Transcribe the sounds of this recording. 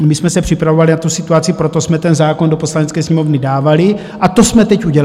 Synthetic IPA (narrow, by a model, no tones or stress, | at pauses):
mɪsmɛsɛpr̝̥ɪpɾavovalɪnat̪usɪt̪uat͡sipɾo̞t̪o̞smɛt̪ɛnzaːko̞ndopo̞slanɛt͡skɛːsɲɛmo̞vnɪdaːvalɪ | ʔat̪o̞smɛt̪ɛcuɟɛl